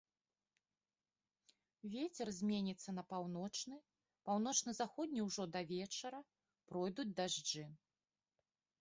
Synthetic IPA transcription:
vʲet͡sʲɛrzʲmʲenʲit̪sːɐnɐpawnɔt͡ʂnɨ | pawn̪ɔt͡ʂnɨzaxɔd̪ʲnʲiwʐɔd̪ɐvʲɛt͡ʂɐɾɐ | pɾɔjd̪ud͡zʲd̪aʐd͡ʐɨ

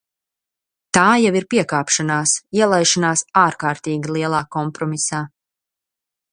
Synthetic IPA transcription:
t̪aːjaviɾpiɛkaːpʃanaːsiɛlˠajʃanaːsaːɾkaːɾt̪iːɡʲilˠiɛlˠaːkɔmpɾɔmisaː

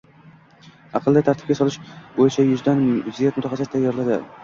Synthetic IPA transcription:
ɑqʰɨlˠd̪at̪ʰaɾt̪ʰɪ̥pɡʲasɒlˠɪʃbojɪt͡ʃʰajʊzd̪anzijat̪mʊt̪ʰaχɑsɪt̪ːʰajːɒɾlˠad̪ɪ̰

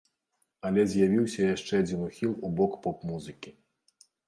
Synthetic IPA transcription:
ɐlʲɛzʲjavʲiwsʲɐjaʂt͡ʂɛad͡zʲinuxʲilˠubɔkpɔpmuzɨkʲi

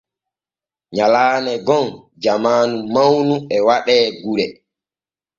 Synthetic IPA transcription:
ɲalaːnɛɡɔn | d͡ʒamaːnumawnuɛwaɗɛːɡuɾɛ

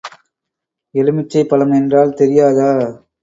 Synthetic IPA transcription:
ɛlɯmɪt͡ʃːɐɪpːɐlɐmɛndraːlt̪ɛɾɪjaːðaː

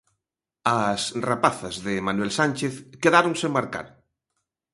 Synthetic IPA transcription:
ɐsrapaθɐzðɪmanwɛlsant͡ʃeθkeðaɾoŋsemaɾka̰ɾ

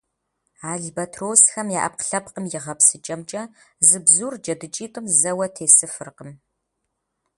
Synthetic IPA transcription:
aːɮbɐtʰroːsxɐmjaːʔɐ̰p̚qɬɐpqəmjɪʁɐpsɨt͡ʃʼɐmt͡ʃʼɐzɨbzuːrd͡ʒɐdɨt͡ʃʼiːtʼɨmzɐwɐtʰeːsɨfɨrqəm

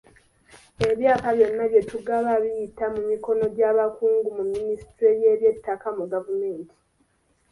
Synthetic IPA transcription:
e̞βjaːkaβjo̞nːaβje̞tuɡaβaβijitamumiko̞no̞ɟaːβakuːŋɡumumːinistɾeje̞ːβje̞tːakamuɡavume̞ːnti̥

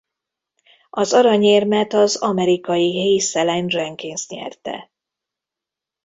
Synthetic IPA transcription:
ɒzɒɾɒɲeːrmɛt̪ɒzɒmɛɾikɒjiɦejsɛlɛnrɛŋkinsɲɛ̰rt̪ɛ̰

